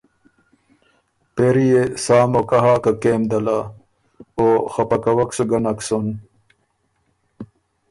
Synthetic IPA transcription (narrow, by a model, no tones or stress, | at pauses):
peɾijesaːmokaɦaːkakeːmd̪ɐla | oxapɐkɐwɐksuɡɐnɐksun